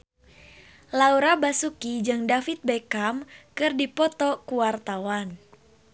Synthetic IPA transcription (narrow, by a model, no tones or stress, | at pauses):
lauɾabasukid͡ʒɨŋdafit̪̚bekamkɨrdipɔt̪ɔkuwart̪awan